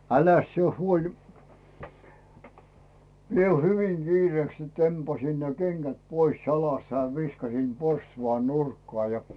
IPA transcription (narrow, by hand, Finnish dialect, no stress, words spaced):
ælæs sie huoli mie hyʋiŋ ɡ̊iːreːks sit tempɑsin ne kenɡ̊æt pois jɑlɑst jɑ ʋiskɑsim porstuʋɑn nurkːŏɑˑ jɑ